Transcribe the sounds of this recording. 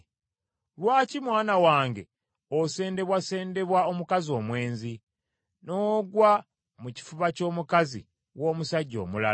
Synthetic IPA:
lwaːcimwaːnawaːŋɡe̞̰ | ose̞ːnde̞βwase̞ːnde̞βwao̞mukazio̞ːmwe̞ːnzi | no̞ːɡwa | muci̥fuβaco̞ːmukazḭ | wo̞ːmusaɟːo̞̰ːmula̰

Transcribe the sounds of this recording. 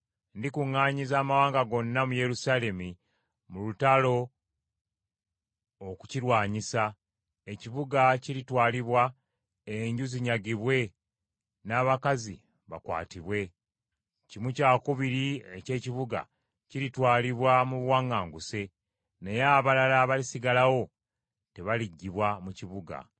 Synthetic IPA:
ndikuŋːaːɲizaːmawaːŋɡaɡo̞nːamuje̞ɾusale̞mi | mulutalo̞ | ku̥ciɾwaːɲisa | e̞ciβuɡaciɾitwaːliβwa | eɲɟuziɲaɡiβwe̞ | naːβakazḭ | βa̰kwa̰ːtiβwe̞ | cimucaːkuβiɾiece̞ːciβuɡa̰ | ciɾitwaːliβwamuβwaŋːaːŋɡuse̞ | ne̞jaβalalaβalisiɡalawo̞ | te̞βaliɟːiβwamuciβuɡa̰

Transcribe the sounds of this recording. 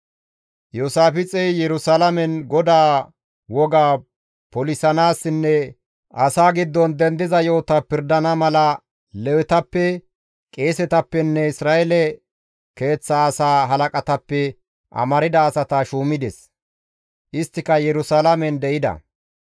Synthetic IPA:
josaːfɪt͡sʼɛjjɛɾʊsalɐmɛnɡɔd̪aː | wɔɡaː | pɔlɪsɐnaːsːɪnːɛ | ʔɐsaːɡɪd̪ːɔnd̪ɛnd̪ɪzɐjo̞ːt̪ɐpɪɾd̪ɐnɐmɐlɐ | lɛwɛt̪ɐpːɛ | kʼe̞ːsɛt̪ɐpːɛnːɛɪsɾaːʔɛlɛ | ke̞ːt͡sːɐːsaːɦɐlɐkʼɐt̪ɐpːɛ | ʔɐ̰mɐɾɪd̪ɐːsɐt̪ɐʃuːmɪd̪ɛs | ʔɪst̪ːɪkɐjɛɾʊsalɐmɛnd̪ɛʔɪd̪ɐ̰

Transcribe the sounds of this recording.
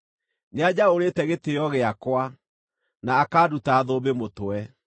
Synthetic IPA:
nead͡ʑaoɾetɛɣetejɔɣeakwa | naːkaːdutaːðobemotoɛ

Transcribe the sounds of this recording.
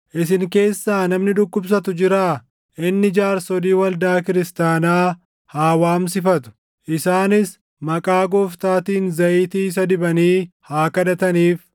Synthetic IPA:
ʔɪs̬ɪŋke̞ːsːaːnɐmnɪd̪ʊkːʊbs̬ɐt̪ʊd͡ʒɪɾaː | ʔɪnːɪd͡ʒaːɾsɔd̪iːwɐld̪aːkɪɾɪst̪aːnaː | haːwaːms̬ɪfɐt̪ʊ̥ | ʔɪsaːnɪs | mɐkʼaːɡoːft̪aːt̪iːnzɐʔiːt̪iːs̬ɐd̪ɪbɐniːhaːkɐd̪ɐt̪ɐniːf

